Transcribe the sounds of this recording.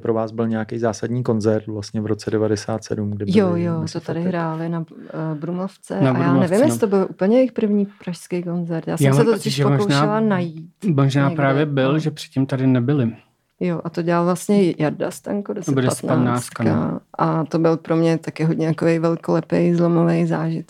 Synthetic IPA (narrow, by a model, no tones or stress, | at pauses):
pɾovaːzbɪlɲɛjakejzaːsadɲiːko̞nzɛɾt̪vlast̪ɲɛvɾot͡sɛdɛvadɛsaːt̪sɛ̰dumɡ̚dɪjojosot̪adɪɦɾaːlɪnabɾumloft͡sɛnaaɾjauaːmnɛvɪmjɛsɪt̪obɪlʔuːpl̩ɲɛjejxpr̩vɲiːpɾaʃskejko̞nzɛɾt̪jaːsɛmsɛt̪ot̪ocɪʃpokowʃaɪlanajiːt̪moʒnaːpɾaːvjɛbɪlʒɛpr̥ɪt̪̚cimt̪adɪnɛbɪlɪ | joʔat̪o̞ɟɛlalvlastɲɛjadast̪aŋkodosbɛdɛsnat̪naːst̪kkna̰ʔat̪obɪlpɾo̞mɲɛt̪akɪɦodɲɛt̪akovejvɛlkolɛpejzlo̞movejzaːʒɪt̪